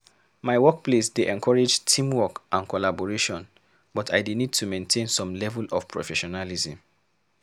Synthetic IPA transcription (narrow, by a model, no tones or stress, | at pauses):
maɪwɔk̚plesdeʔɛ̃nkʰɔɹed͡ʒtʰĩmwɔkʔãnkʰɔlabɔɹeʃɔ̃n | bɔtʰaɪdenid̚tʰumẽntʰẽnsɔ̃mlɛvulɔfpʰɹɔ̰fɛʃɔnalizĩm